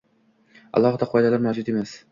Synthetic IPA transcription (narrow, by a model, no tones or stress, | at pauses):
ɑ̰lˠɒhɨd̪aqʰɒjd̪alaɾmawd͡ʒʊt̪e̞mas